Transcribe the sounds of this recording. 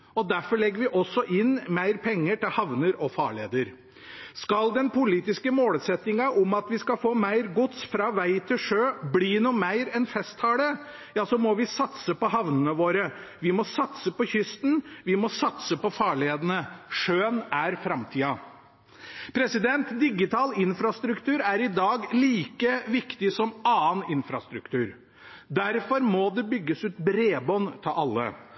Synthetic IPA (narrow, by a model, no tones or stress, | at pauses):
ɔd̪æɾfɔɭɛɡːəɾʋɪʔɔsːɔʔɪnmæɪɾpʰɛŋːəʈɪlhɑʋnəɾɔfɑ̰ːɭḛːd̪əɾ | skɑld̪ɛnpʊliːt̪ɪskəmoːləsɛt̪ːɪŋɑʔɔmɑt̪ʋɪskɑfoːmæɪɾɡʊt̪sfɾɑːʋæɪt̪ʰɪlʂøːbliːnuːmæɪɾɛnfɛst̪hɑːɽə | jɑːsɔmɔʋɪsɑt̪səpɔɦɑʋnənəʋoːɾə | ʋɪmɔsɑt̪səpɔçʏst̪n̩ʋɪmɔsɑt̪səpɔfɑːɭɪeːd̪ənəʂøːənæɾfɾɑmt̪ʰiːɑ | pʰɾɛsɪd̪ɛnt̪d̪ɪɡɪt̪ʰɑːlɪnfɾɑst̪ɾʉkt̪ʰʉːɾæɾɪd̪ɑːɡliːkəʋɪkt̪ɪsɔmɑːənɪnfɾɑst̪ɾʉkt̪ʉːɾ | d̪æɾfɔɾmɔd̪ɛbʏɡːəsʉːt̪bɾeːbɔnt̪ʰɑʔɑlːə̰